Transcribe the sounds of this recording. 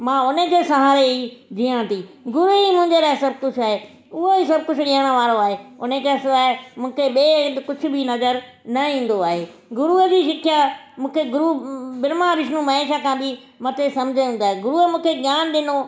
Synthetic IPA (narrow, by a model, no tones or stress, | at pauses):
mãːʊnekesɐɦaːɾeid͡ʑiːãːt̪iːɡʊɾuimʊ̃ɦɪ̃ɲd͡ʑeɾaːɦɪsɐbɪkʊt͡ʃʰaːɦe | ʊɦoisɐbkʊt͡ʃʰʊɗiːəɽ̃ə̆ʋaːɾoaːɦeːʊnekasaːemũːkʰeɓekʊd͡ʑʰʊ̆bʱinɐzəɾ | nɐĩːn̆d̪oaːɦe | ɡʊɾuəd͡ʑiːʃɪkʰjamũːkʰeɡʊɾubɪɾmaɾɪʃnũmɐeːʃakʰãːbɪ | mɐt̪esɐ̃md͡ʑʱəĩnd̪aːɦeɡʊɾuəmũːkʰeɡjaːnɗɪno